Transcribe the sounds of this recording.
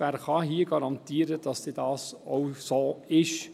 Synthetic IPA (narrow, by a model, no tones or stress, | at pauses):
æːɾχɑɦiːəɡɑɾɑnt̪iːəɾəd̥ɑsd̥edɑːsowsoːɪʃ